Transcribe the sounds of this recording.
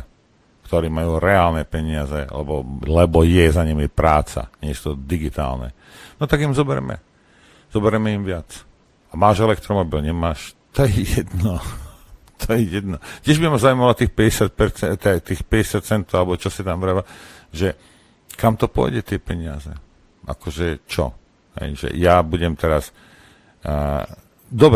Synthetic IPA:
kt̪ɔɾiːmajuːɾɛaːlnɛpɛɲɪazɛlɛ̰bɔ̰lɛbɔjɛzaɲimipɾaːt͡sa̰ɲɪɛt͡ʃt̪ɔd̪iɡit̪a̰ːlnɛ̰ | nɔt̪aɡimzɔbɛɾɛmɛ̰ | z̥ɔbɛɾɛmɛimʋɪat͡s | amaːʒɛlɛkt̪ɾɔmɔbilɲɛmaːʃt̪ɔjɛjɛd̪nɔ | t̪ʰɔjɛjɛd̪nɔt̪ɪɛʒbiamazauimalɔt̪iːxpɛɟɛsɪac̪̚pɛɾt͡sɛt̪ɛt̪iːxpɛɟɛsɪat̪t͡sɛnt̪ɔʊalɛbɔt͡ʃɔsit̪amvɾaaʒɛ | kamt̪ɔpʊɔ̰jɟɛt̪ɪɛpɛɲɪa̰zɛ̰ | ʔa̰kɔʒɛt͡ʃɔ̰ | ɦɛ̰jʒɛ̰jabuɟɛmt̪ɛɾas | d̪ɔb

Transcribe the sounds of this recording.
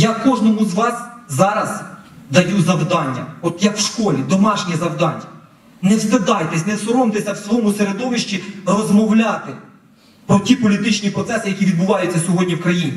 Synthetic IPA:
jakɔʒnɔmʊzʋɑszɑɾɐzd̪ɐjuzɐwd̪ɑnʲːɐ̰ɔt̪jɐkwʃkɔlʲid̪ɔmɑʃnʲizɐwd̪ɑnʲːɐ | nɛwsed̪ɑjt̪ɛsʲnɛsɔɾɔmt̪esʲɐwsʋɔɔmʊseɾed̪ɔʋɪʃt͡ʃirɔzmɔwlʲat̪ɪ | pɾɔtʲipɔlʲit̪ɪt͡ʃnʲipɾɔt̪sɛsɪjɐkʲiʋʲid̪̚bʊʋɑjʊt͡sʲːɐsʲɔɦɔdʲnʲiwkɾɐjinʲi

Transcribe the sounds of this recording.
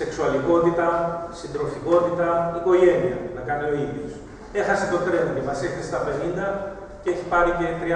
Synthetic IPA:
se̞ksuɐliko̞t̪it̪ɐsind̪ɾo̞fiko̞t̪it̪ɐiko̞ʝe̞niɐnɐkɐneo̞iðjos | e̞xɐset̪ot̪ɾenoimɐsiekt̪ese̥t̪ɐpe̞nind̪ɐ | ceeçipɐɾice̞t̪ɾi

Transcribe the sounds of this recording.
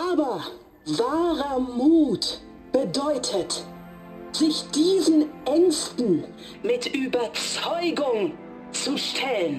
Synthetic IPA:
ʔaːbɐ | vaːʁɐmuːt | b̥ədɔʏtʰət | z̥ɪçd̥iːzn̩ʔɛŋstn̩ | mɪtʔyːbɐt͡sɔʏɡʊŋ | t͡suʃtʰɛlən

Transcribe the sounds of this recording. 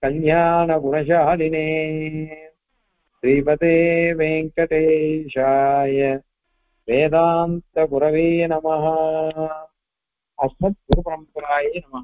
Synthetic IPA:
kɐljaːnɐɡunɐʃɐɦɐlineː | ʃɾiːpɐt̪eːʋeːŋkɐʈ̪eːʃaːjɐ | ʋeːd̪aːnt̪ɐɡuɾɐʋeːnɐmɐɦɐ̆ | ɐsɐt̪̚ɡuɾupɾɐmpɾaːjiːnɐmɐɦɐ

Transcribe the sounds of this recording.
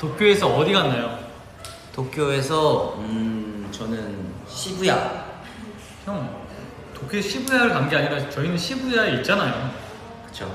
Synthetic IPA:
tokʰjoe̞sʰʌʌɾiɡanːajo | tokʰjoe̞s̬ʰʌɯt͡ɕʌnɯnɕʰibuja | t͡ɕʌŋ | tokʰjoɕʰibujaɯɭkaŋɡeaɲiɾat͡ɕʌinɯnɕʰibujaeit̚t͡ɕ͈anajo | kkɯ̥t͡ɕʰo

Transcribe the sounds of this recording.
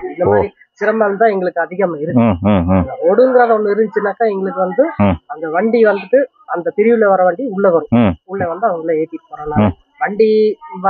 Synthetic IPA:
ɪnd̪ɐmaːdɾi | sɪɾɐmbaːlmt̪ãːɛŋɡɐɭɯkːɯɐðɪɣɐmaɪɾɯkː | ɔɽɯŋɡɪɾaːðɐɔnd̪ɯɪɾɯnd͡ʒɪt͡ʃːnːaːkːaːɛŋɡɐɭɯkːɯʋɐnd̪ɯɐnd̪ɐʋɐɳɖiʋɐnd̪ɯʈːɯ | ɐnd̪ɐt̪ɪɾɪʋɯleʋɐɾɐʋɐɳɖiʊɭːɐʋɐɾɯ̃ʊɭːeʋɐnd̪ɯɐʋɐŋɡɐɭeeːt̪ːɪʈːɯ̥pːoːɾaːnaː | ʋɐɳɖiʋɐ

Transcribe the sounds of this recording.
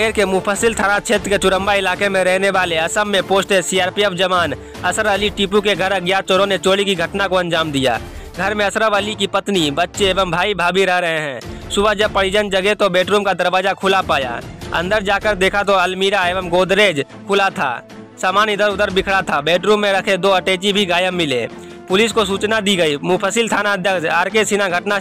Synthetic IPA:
eːɾkemʊpʰəsɪlt̪ʰaːnat͡ʃʰeːt̪ɾket͡ʃʊɽə̃mbaɪlaːkemẽɾɛɦneʋaːleɐsəmːẽpoːsʈesiaːɾpiɛfʰd͡ʒɐʋaːn | ɐsəɾəliʈipukeɡʱɐɾəɡjat͡ʃoɾõnet͡ʃoːɽikiɡʱəʈnakoɐ̃nd͡ʒaːmd̪ija̰ː | ɡʱɐɾmẽɐsɾəʋəlikipɐt̪nibɐt̪ːʃeeːʋəmbʱaːibʱaːbiɾɛɦɾɐɦeɦɛ̃ːsʊbəd͡ʒəb̚pɐɽ̤id͡ʒənd͡ʒəɡet̪obɛːʈɾuːmkad̪ɐɾʋaːd͡ʒakʰʊlapaːja̰ɐ̰̃nd̪əɾd͡ʒaːkəɾd̪eːkʰat̪oɐlmiːɾaeːʋəmɡoːd̪ɾeːd͡ʒ | kʰʊlat̪ʰa̰ː | saːmaːnɪd̪əɾʊd̪əɾbɪkʰɽat̪ʰabeːʈɾuːmːẽɾɐkʰed̪oːɐʈeːt͡ʃibʱiɡaːjəmːɪlḛː | pʊlɪskosuːt͡ʃnad̪iɡɐimʊpʰəsɪlt̪ʰaːnaəd̪ʱjəɡd͡ʒaːɾkesinaɡʱɐʈna

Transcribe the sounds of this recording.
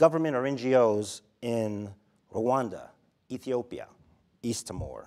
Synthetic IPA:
ɡ̥ʌvə˞mɨ̃ñɾ̃ə˞ɛ̃nd͡ʒioʊz | ɪ̃n | ɹowɑ̃ndə̰ | iθioʊpiə̰ | istʰəmɔ̰ɹ

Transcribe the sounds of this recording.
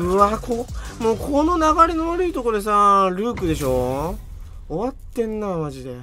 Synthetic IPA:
ɯ̟akʰomoːkʰono̞naɡaɾʲinoβaɾɯ̟it̪o̞koɾd̪e̞saːɾɯ̟ːkɯ̟d̪e̞ɕ̬o̞ | oβat̪ːẽ̞nːamaʑid̪e̞

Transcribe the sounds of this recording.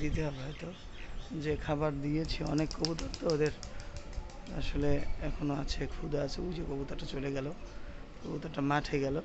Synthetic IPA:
d̪it̪abʱɔjt̪ɔ | d͡ʒekʰabaɾd̪ijet͡ʃʰiɔ̰nekːɔbut̪aɾt̪ɔɦod̪eɾ | a̰soleekʰonoat͡ʃʰekʰud̪aat͡ʃʰɛud͡ʒekɔbut̪aʈat͡ʃɔleɡɛlokobut̪aʈamaʈʰejɡɛlɔ

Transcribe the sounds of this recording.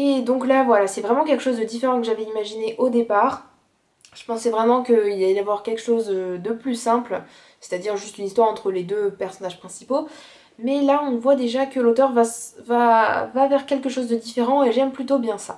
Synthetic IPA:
ed̪ɔ̃klavwalasɛvʁɛmɑ̃kʲɛlkəʃozd̪əd̪ifeʁɑ̃kəʒavɛimaʒineʔod̪epaːʁ | ʒ̥ə̥pɑ̃sɛvʁɛmɑ̃kəilaɛdavwaʁkʲɛlkə̥ʃozød̪əplysɛ̃pl | se̥t̪ad̪iʁʒyst̪ynist̪waʁɑ̃t̪χəled̪øpɛʁsɔnaʒ̥pχɛ̃sipo | mɛlaɔ̃vwad̪eʒakəlot̪œʁvavavavɛʁkʲɛlkəʃozd̪əd̪ifeʁɑ̃eʒɛmplyt̪objɛ̃sa

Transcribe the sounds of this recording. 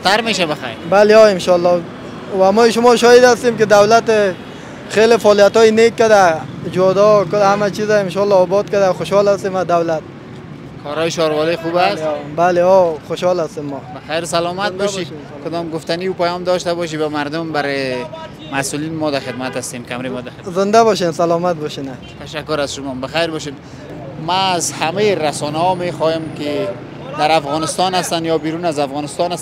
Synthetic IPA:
t̪aɾmeʃabaxa̰jɾbaleɔɪmʃɔlːɔ | wamɔjʃʊmɔʃɔjɪd̪ast̪emkɪd̪awlat̪ | xelefɔlijat̪ɔjɪnekːad̪ad͡ʒɔd̪ɔkʊlhamat͡ʃizaɪmʃɔlːɔːbɔd̪̚kad̪axʊʃhɔlast̪emad̪awlat̪̚ | kʰɔɾɔjɪʃɔɾwɔlexubasbaleɔxoʃhɔlast̪emːɔbaxajɾsalɔmat̪̚bɔʃi | kʊd̪ɔmɡʊft̪aniupajɔmd̪ɔʃt̪abɔʃ̬ibamaɾd̪ʊmbaɾɪ | masulinmɔd̪axɪd̪mat̪ast̪emkamɾemɔd̪axzɪnd̪aβɔʃensalɔmat̪̚bɔʃena | t̪aʃakːʊɾazʃʊmɔmbaxajɾbɔʃ̬en | maːzhamejɾasɔnahɔmexɔjɪmkɪ | d̪aɾafɣɔnɪst̪ɔnast̪anjɔbiɾunazafɣɔnɪst̪ɔnas

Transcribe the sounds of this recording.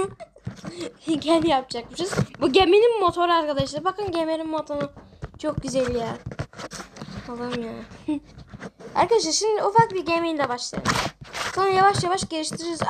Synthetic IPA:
ɟænjap̚d͡ʒak̚mɯʃɯzbuɟemininmo̞t̪ʰo̞ɾaɾkʰad̪aʃɯlˠɯbakɯnɟemeɾinmot̪ʰonɯt͡ʃʰok̚ɟyzelʲjaː | alˠɯmja | a̰ɾkad̪aʃ̬aʃimd̪iufakbiɾɟemelʲɛbaʃlˠa̰jɯ̰mso̞nɾajavaʃjavaʃɟeliʃt̪ʰiɾiɾiz

